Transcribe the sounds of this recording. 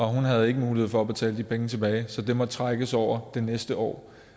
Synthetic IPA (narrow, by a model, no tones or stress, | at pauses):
ɒ̽ɦunɦæð̞̩ˠe̝ɡ̥əmuːlie̝ð̞̰ˠfɒ̽æb̥e̝t͡sʰɛ̰ːlədipʰeŋət͡sʰe̝b̥ɛːɪsɒ̽d̥e̝mɒt͡sʰʁaɡ̥əsɒʊ̰ɐd̥e̝nesd̥əɒ̰ː